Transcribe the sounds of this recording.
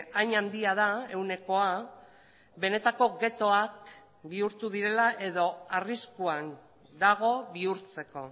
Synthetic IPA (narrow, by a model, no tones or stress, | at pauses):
ajɲand̪iaðae̞wne̞ko̞a | be̞ne̞t̪ako̞ɡe̞t̪o̞ak̚ | biuɾt̪uðiɾe̞laʔe̞ðo̞ariskuan | d̪aɣ̞o̞βiuɾt͡se̞ko̞̰